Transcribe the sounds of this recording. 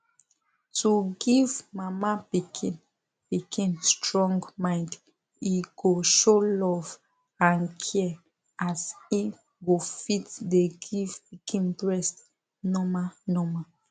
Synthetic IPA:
tuɡivmamapikʰĩn | pikʰĩnstɹɔ̃ŋɡmãɪ̃nd | iɡoʃolɔv | ãnkʰɛ | ʔasi | ɡofitdeɡivpikʰĩnbɹɛst | nɔmanɔma

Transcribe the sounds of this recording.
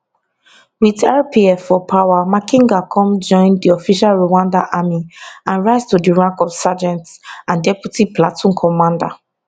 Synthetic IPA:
widɛlpiɛfːɔpʰawamakĩŋɡakʰɔ̃md͡ʒɔ̃ɪ̃ndiɔfiʃalɹowãndaʔamiãnɹaɪstudiɹãŋkɔfsad͡ʒɛ̃ntsãndɛpjutiplatʰɔ̃nkʰɔmãnda̰

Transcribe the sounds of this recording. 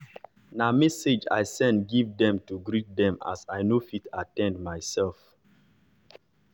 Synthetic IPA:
namɛsed͡ʒa̰jsɛ̃ndɡivdɛ̃mtuɡɹit̚dɛ̃ma̰sajnofitʰatɛ̃ndmaɪsɛlf

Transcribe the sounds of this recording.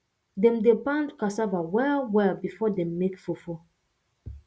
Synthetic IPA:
dɛ̃mdebãndkasavawɛlwɛlbifɔdɛ̃mːekfufo

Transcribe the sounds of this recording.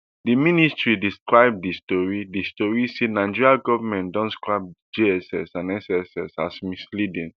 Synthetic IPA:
diministɹidiskɹaɪb̚distɔɹidistɔɹisenaɪd͡ʒiɹiaɡɔvamɛ̃ntdɔ̃nskɹab̚d͡ʒiɛsɛ̰sãnɛsɛsɛsasmislidɛ̃n

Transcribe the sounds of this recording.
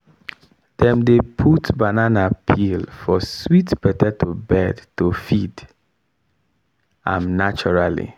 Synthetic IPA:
d̥ɛ̃mdepʰutbananapʰilfɔswitbɛtɛtʰobɛdtofid | ã̰mnat͡ʃɔɹalḭ

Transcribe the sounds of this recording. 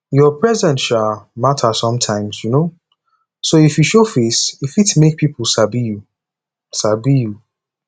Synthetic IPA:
jɔpʰɹɛzɛ̃ntʃalmatʰasɔ̃mtʰãɪ̃mzjuno | soifjuʃofesifitmek̚pʰipʰl̩sabiju | sabiju

